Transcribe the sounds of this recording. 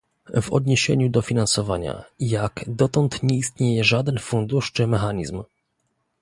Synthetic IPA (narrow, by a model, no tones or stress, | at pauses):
vɔ̰d̪̚ɲeɕḛɲud̪ɔfʲinansɔvaɲa̰jakd̪ɔt̪ɔnt̪ɲɛist̪ɲejɛʐad̪ɛnfund̪uʂt͡ʂɘmɛxaɲizm